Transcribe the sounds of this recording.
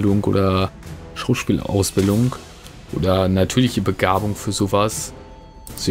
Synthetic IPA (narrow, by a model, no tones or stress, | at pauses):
ldʊŋʔo̰ːdɐ | ʃaʊʃpiːlʔa̰ʊsb̥ɪldʊŋ | ʔo̰ːdɐnatʰyːɐlɪçəbəɡaːbʊŋfyːɐzoːvas | z̥o